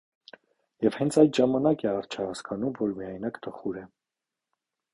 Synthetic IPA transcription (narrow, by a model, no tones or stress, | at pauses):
jɛvhɛnt͡sʰɑjd̪ʒɑmɑnɑkɛɑɾt͡ʃʰəhɑskʰɑnumvɔɾmijɑjnɑkt̪ʰəχuɾɛ